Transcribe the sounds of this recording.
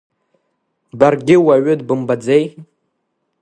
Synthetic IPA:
barɡʲɪwaɥʏdbɨmbad͡zej

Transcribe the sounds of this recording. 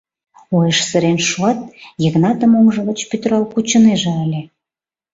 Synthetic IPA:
ojəʃsə̆ɾenʃuɑt̪̚jəɣnɑt̪ə̆moŋʒə̆ɣə̆t͡ɕpyt̪ɾɑlkut͡ɕə̆neʒĕəlʲe

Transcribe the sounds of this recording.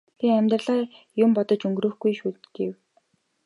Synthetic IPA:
t̪ʰiæmʲt̪r̆ɮaː | jʊmpɔt̪ɞ̆t͡ɕɵŋɡrɵ̆ːxɡujʃuːt̪ɡew

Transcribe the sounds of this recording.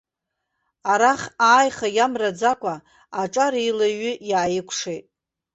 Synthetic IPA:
aɾaχaːjχajamrad͡zakʷʼa | aʈ͡ʂʼaɾiilaɥʏjaːjɪkʷʰʂejtʼ

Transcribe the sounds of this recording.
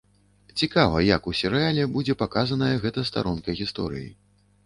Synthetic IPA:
t͡sʲikavɐjɐkusʲɛɾɨalʲɛbud͡zʲɛpakazɐnɐjɐɣɛt̪ɐst̪a̰ɾɔnkɐɣʲist̪ɔ̰ɾɨ̰jḭ

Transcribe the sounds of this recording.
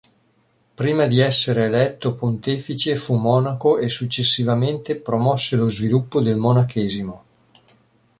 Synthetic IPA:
pɾiːmad̪iɛsːeɾeːlɛt̪ːopont̪eːfit͡ʃefumːɔːnakoʔesut͡ʃːesːivament̪epɾomɔsːelozvilupːod̪elmonakʰɛːzimo

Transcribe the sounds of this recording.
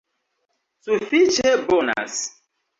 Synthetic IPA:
sufit͡ʃebɔna̰s

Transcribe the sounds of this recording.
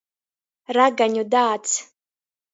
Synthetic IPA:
raɡanʲodaːt͡sʰ

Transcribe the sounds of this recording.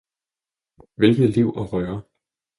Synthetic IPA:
ʋelɡ̥ð̩ˠliʊ̰ʔɒʁœɐ

